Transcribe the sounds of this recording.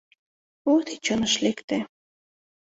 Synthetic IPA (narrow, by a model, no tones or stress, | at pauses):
ot̪it͡ɕonəʃlekt̪e